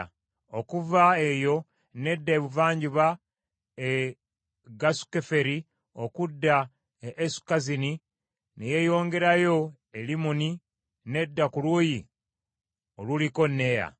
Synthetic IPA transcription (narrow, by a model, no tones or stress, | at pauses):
okuvaejo̞ | ne̞dːaeβuvaːɲɟuβa | e | ɡasu̥kefe̞ɾi | o̞kudːaː | su̥kazini | neje̞jo̞ːŋɡe̞ɾajo̞ | elimuni | ne̞dːakuluːji | o̞luliko̞nːe̞ja̰